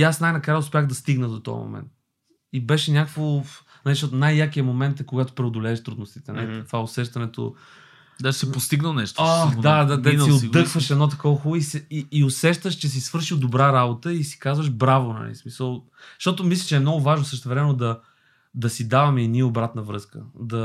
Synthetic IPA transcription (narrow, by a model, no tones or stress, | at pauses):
iasnajnɐkɾajɛʊspʲjaɣd̪ɐst̪iɡnəd̪ot̪ɔ̰j̰mo̰mɛ̰nt̪̚ | ibɛʃɛnʲakəkvo | nɐliʃt̪ɔt̪ʊnajːakijɐmomɛnt̪ɛkoɡat̪o̥pɾɛod̪olɛːʃt̪ɾud̪nost̪i̥t̪ɛnɐ̰lit̪ovaosɛʃt̪ɐnɛt̪o̰ | d̪asɛpost̪iɡnəlˠnɛʃt̪oxd̪ad̪ad̪ɛiniod̪ːɤkvəʃɛd̪nɔt̪̬ɐkɔvəxuisɛiːosɛʃt̪əʃt͡ʃɛs̬isvɤɾʃilˠd̪obɾaɾabot̪əisi̥kazvəʃbɾavonɐ̰lḭsmisəlˠ | ʃt̪ɔt̪ʊmislʲɐ̥t͡ʃɛmnɔɡʊvaʒnosɤʃt̪ɛvɾɛmɛnʊd̪ɐ | d̪ɐsid̪avɐmɛɛniobɾat̪nɐvɾɤskə̰d̪ɐ